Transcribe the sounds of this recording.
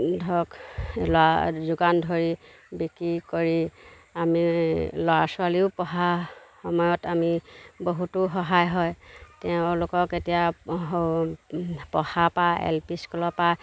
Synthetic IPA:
dʱɔklɔazuɡandʱoɹi | bikɹikoɹi | amilɔwasʊaliʊpɔɦaxɔmɔjɔtamiboɦutʊxɔɦajɦɔjtɛʊ̃lʊkɔketija | pɔhapaɛ̰lpiskɔlɔpa

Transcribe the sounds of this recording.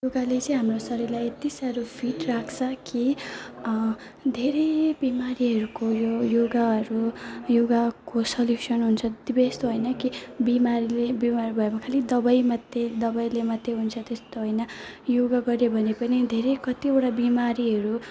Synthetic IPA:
joɡalet͡sʌĩɦamrosʌɾʌlajet̪isaɾopʰiʈrakʰt͡sʰʌki | d̪ʱeɾebimaɾiɦʌɾukojojoɡaɦʌɾujoɡakosʌljusʌnɦunt͡sʰʌd̪ibest̪oɦojnʌkibimaɾilebimaɾibʱʌemakʰalid̪ʌbʌjmʌt̪ːed̪ʌbʌjlemʌt̪ːeɦunt͡sʰʌt̪est̪oɦojnʌjoɡaɡʌɾjobʱʌnepʌnid̪ʱeɾekʌt̪ioʈabimaɾiɦʌɾu

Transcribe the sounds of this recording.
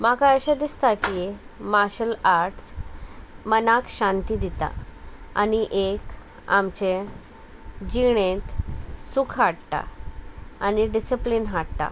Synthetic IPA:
makaəɕad̪ist̪akimaɾɕəlaɾʈs | mənakɕãnt̪id̪it̪a̰a̰niʔek | a̰mt͡ɕe | d͡ʑiɽẽt̪sukʰɦaɽt̪a̰ | aniɖisəplinɦaɽt̪a̰

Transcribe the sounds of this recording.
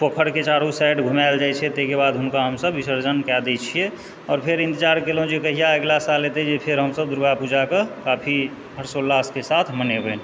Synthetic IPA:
pəkʰəɽket͡ʃaɾusaʈɡʱumaɪld͡ʒajt͡ʃʰɛt̪ekebad̪ɦʊnkaɦəmsəbʋisəɾd͡ʒənkɛd̪et͡ʃʰie | ɔːɾpʰeɾĩnt̪id͡ʒaɾkelõd͡ʒikəɦijaəɡlasalːet̪ed͡ʒepʰeɾɦəmsəb̚d̪uɾbapud͡ʒakekapʰi | ɦəɾsolːaskesat̪ʰmənebən

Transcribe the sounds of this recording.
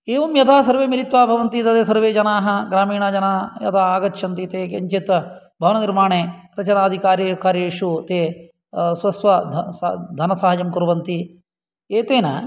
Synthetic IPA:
eːʋɐmjɐt̪ʰaːsɐɾʋeːmiɾit̪ʋaːbʱɐʋɐnt̪it̪ɐd̪eːsɐɾʋeːd͡ʒɐnaːɦɐ̆ɡɾaːmiːɳaːd͡ʒɐnaːjɐ̰t̪ʰaːaːɡɐtːʃɐnt̪it̪eːkeɲt͡ʃet̪ʋɐ | bʱɐʋɐnɐniɾmaːɳeːɾɐt͡ʃɐnaːd̪ʱikaːɾjɐkaːɾjeːʂut̪eː | sʋɐsʋɐd̪sd̪ʱɐnɐsaːɦɐd͡ʒɐmkuɾʋɐnt̪i | eːt̪eːnɐ̰

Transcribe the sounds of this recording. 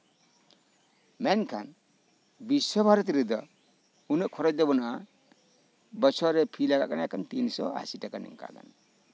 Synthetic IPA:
mɛnkʰan | bisːɔbʱaɾɔt̪ɾɛd̪ɔ | unəʔkʰɔɾɔd͡ʒd̪ɛbɔna | bɔt͡ʃʰɔɾɛpʰilaɡa̰ʔkanakʰant̪insɔ̰a̰sitakanɛ̰ŋka̰ka̰n

